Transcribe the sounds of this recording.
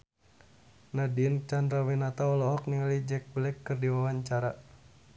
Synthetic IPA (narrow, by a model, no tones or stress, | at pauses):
nadiənt͡ʃandɾawinat̪aɔlɔɦɔk̚niŋalid͡ʒɛk̚blɛkːərdiwawaɲt͡ʃaɾa